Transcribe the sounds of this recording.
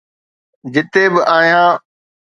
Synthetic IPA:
d͡ʑɪt̪ebɪʔaːɦijãː

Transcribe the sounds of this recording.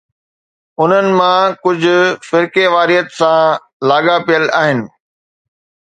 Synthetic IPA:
ʊn̤ənɪ̆mãkʊd͡ʑʱʊ̆fɪɾkeʋaːɾijət̪sã | laːɠapijəlaːɦɪnɪ̆

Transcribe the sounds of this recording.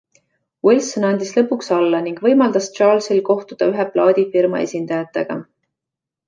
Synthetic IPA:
wilsonɑnd̪̥islɤpːˑuksɑlːɑniŋɡ̥vɤ̞jmɑld̪ɑst͡ʃɑːlsilko̞ht̪ud̪̥ɑyɦeplɑːd̪̥ʲifirmɑ̰e̞̰sʲind̪̥ɑjɑt̪ːˑe̞ɡ̥ɑ̰

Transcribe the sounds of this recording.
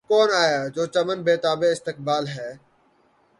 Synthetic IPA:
kɔːnaːjaːd͡ʒoːt͡ʃɐmənbeːt̪aːbeɪst̪ɪk̚baːlɦɛː

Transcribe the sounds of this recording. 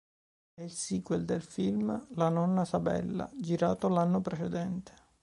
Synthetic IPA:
ɛilsiːɡweld̪elfilmlanɔnːasabɛ̰lːa̰d͡ʒiɾaːt̪oalanːopɾet͡ʃɛd̪ɛnt̪e̥

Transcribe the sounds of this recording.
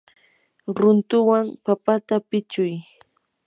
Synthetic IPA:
ɾʊnt̪ʊwaŋpapat̪apɪt͡ʃʊj

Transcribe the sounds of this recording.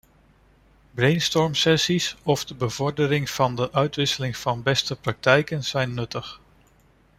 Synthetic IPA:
brejnstɔɹmsɛsisɔvdəbəvɔɹdəɾɪŋv̥ɑndəʔœɥtʋɪsəlɪŋv̥ɑnbɛstəprɑk̚tɛjkənz̥ɛjnːɵtəχ

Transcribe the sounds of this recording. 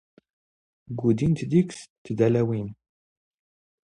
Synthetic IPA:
ɡud̪int̪d̪ikst̪ːd̪ælæwin

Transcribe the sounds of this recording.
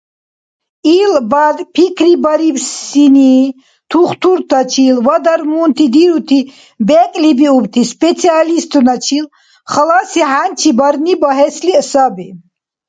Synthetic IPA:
ilbad̪pʰikʰɾibaɾibsini | t̪ʰuχt̪ʰuɾt̪ʰat͡ʃʰilvad̪aɾmunt̪ʰid̪iɾut̪ʰi | bɛkʼlibiubt̪ʰispʼɛt̪t͡sʰialist̪ʰunat͡ʃʰil | χəlasiɦant͡ʃʰibaɾnibɔɦɛslisabi

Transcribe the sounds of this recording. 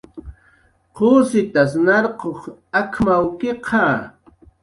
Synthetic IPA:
qʰoːsɪt̪as̬nɑɾqoχakʰmawkeqʰɑ

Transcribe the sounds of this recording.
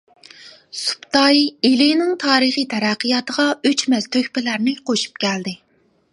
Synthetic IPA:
su̥pt̪ɑjelɪnɪŋt̪ʰɑːɾɨχɨt̪ʰɛɾæqːəjɑt̪əʁɑøt͡ʃmɛz̥t̪ʰøkʲpɪlæɾnɪqʰoʃu̥p̚kʲɛld̪ɪ

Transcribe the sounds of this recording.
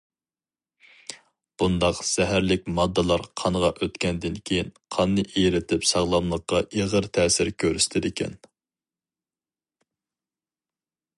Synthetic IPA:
b̥und̪ɑqz̥ɛɦæɾlɪk̚ʲmɑd̪ːɨlˠɑɾqʰɑnəʁɑʔøt̪kʲʰɛnd̪ɪnkʲʰejinqʰɑnːɨʔejɾɪt̪ʰɪpsɑʁlˠɑmlˠəqːɑʔeʁəɾt̪ʰɛːsɪɾkʲʰøɾyst̪ʰɪd̪ɪkʲʰɛ̰n

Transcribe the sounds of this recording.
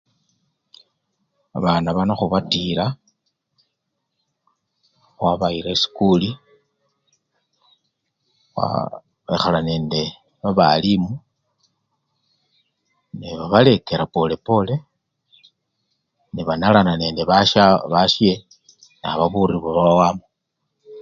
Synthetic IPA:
aβanaβanaxuβatiɾa | xwaβaiɾesi̥kuli | xwa̰ | βexalane̞ːnde̞ | βaβalimu | niβaβale̞keɾapole̞po̞le̞ | niβanalanane̞ːnde̞βaʃaβaʃje | na̰βaβuɾiβoβawamo

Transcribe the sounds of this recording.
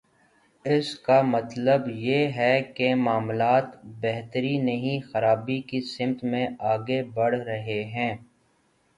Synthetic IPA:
ɪskamɐt̪ləbjeːɦɛkemaːmlaːt̪bɛɦt̪əɾinɐɦĩxɐɾaːbikisɪmt̪mẽaːɡebɐɽ̤ɾɐɦeɦɛ̃ː

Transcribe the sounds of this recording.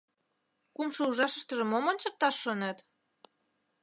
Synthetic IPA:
kumʃɤuʒɑʃə̆ʃt̪ə̆ʒə̆momont͡ɕɤ̆k̚t̪ɑʃːonet̪

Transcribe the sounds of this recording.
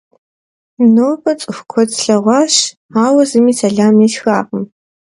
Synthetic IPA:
noːbʰɐt͡sʼɨxʷkʷʰɔtɬɐʁʷɑːʃ | aːwɐzɨmiːsɐɮaːmiɬxaːqʼəm

